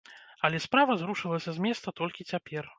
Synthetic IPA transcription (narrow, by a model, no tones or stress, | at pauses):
ɐlʲɛspɾavɐzɾuʂɨlˠɐsʲɐzʲmʲɛst̪ɐt̪ɔlʲkʲit͡sʲapʲɛr